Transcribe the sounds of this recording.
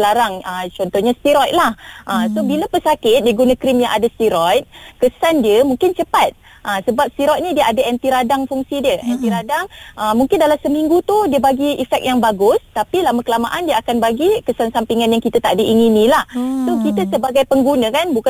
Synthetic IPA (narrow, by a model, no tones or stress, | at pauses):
laɾaŋət͡ʃɔnt̪ɔhɲast̪iɾɔjt̪̚lahʔəmsobilapəsakɪt̪̚diəɡunãkɾɪmjaŋʔadast̪iɾɔjt̪̚kəsandiəmũŋkɪnt͡ʃəpat̪̚ | ʔəsəbap̚st̪iɾɔjt̪̚nidiəʔadaɛnt̪iɾadaŋfuŋsidiəʔɛnt̪iɾadaŋʔəmũŋkɪndalasəmiŋɡut̪udiəbaɡiifɛk̚jaŋbaɡʊst̪apilaməkəlama̰ʔandiəakanbaɡikəsansampiŋanjaŋkit̪ət̪aʔdəʔiŋinĩlahsokit̪əsəbaɡajpəŋɡunəkanbuka